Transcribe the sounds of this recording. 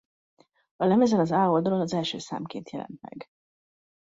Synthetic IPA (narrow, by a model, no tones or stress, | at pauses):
ɒlɛmɛzɛnɒzaːold̪ɒlo̞nɒzɛlʃøːsa̰ːmkeːnt̪jɛlʔɛ̰nt̪̚mɛ̰ɡ